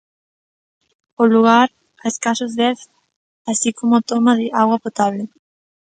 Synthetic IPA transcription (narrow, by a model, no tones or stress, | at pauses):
oluɣaɾ | aeskasozðɛθ | asikomʊt̪omaðɪʔaɣwapot̪aβlɪ